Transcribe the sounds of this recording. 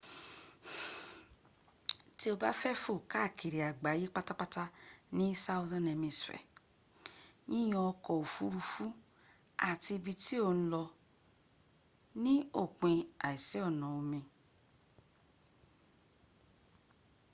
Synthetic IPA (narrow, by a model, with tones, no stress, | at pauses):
ti˦o˧ba˦fɛ˦fo˦˨ka˦˨kʰi˨ɾi˨a˨ɡ͡ba˨˦je˦k͡pa˦ta˦k͡pa˦ta˦nĩ˦sa˦wzã˦nɛ˧mĩ˧sfɛ̰˨ | ĩ˦j̃ɔ̃˧˦ɔ˧kɔ˨o˨fu˦ɾu˧fu˦ | a˨ti˧bi˧ti˦o˦˧˨ñ̩˦lɔ˧ | nĩ˦o˦˨k͡pĩ˧a˨i˨sɛ˨˦ɔ˦˨nã˨o˧mĩ˧